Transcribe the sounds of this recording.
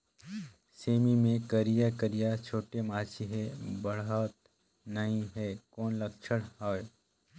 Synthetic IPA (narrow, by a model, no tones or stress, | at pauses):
seːmimẽkəɾijakəɾijat͡ʃʰoːʈemaːt͡ʃʰiɦɛbɐɽaːt̪ | nɐɦĩɦɛːkoːnlɐkt͡ʃʰəɽɦaːe